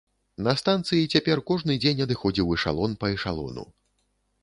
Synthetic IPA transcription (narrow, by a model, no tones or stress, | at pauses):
nɐst̪ant̪sɨjit͡sʲapʲɛrkɔʐnɨd͡zʲenʲɐd̪ɨxɔd͡zʲiwiʂa̰lˠɔnpɐiʂa̰lˠɔ̰nṵ